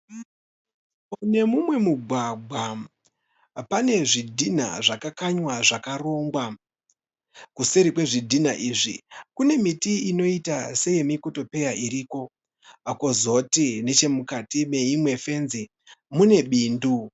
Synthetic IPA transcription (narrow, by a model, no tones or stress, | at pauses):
ne̞mumwe̞muɡʱwaɡʱwa | pane̞ʐidʱina̰ʐakakaɲwaʐakaro̞ŋɡwa | kuseɾikwe̞ʐidʱinaʔiːʐḭkune̞mitiino̞itase̞je̞mikoto̞pe̞jaʔiɾiko̞ | kozo̞tine̞t͡ʃe̞mukatime̞imwe̞fe̞nzi | mune̞ɓiːndu